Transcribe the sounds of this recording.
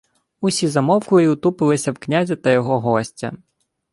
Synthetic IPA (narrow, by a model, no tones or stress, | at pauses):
usʲizɐmɔwkʊlˠiʊt̪upɪlˠɪsʲɐwknʲazʲit̪ɐjɔɦɔɦɔsʲtʲɐ̰